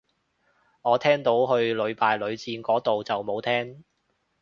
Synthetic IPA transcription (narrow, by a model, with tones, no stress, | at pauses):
ŋɔː˨˧t̪ʰɛː˥ŋt̪o˨˥wɦɵ˧ɥlɵ˨˧ɥpaː˨jlɵ˨˧ɥt͡siː˧nkɔː˨˥t̪o˨wt͡sɐ˨wmo˨˧wt̪ʰɛː˥ŋ